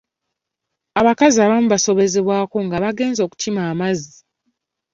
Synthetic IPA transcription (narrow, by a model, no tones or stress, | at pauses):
aβakaziaβamuβaso̞βe̞zeβwaːko̞ŋɡaβaɡe̞ːnzo̞ːku̥cimaːmazi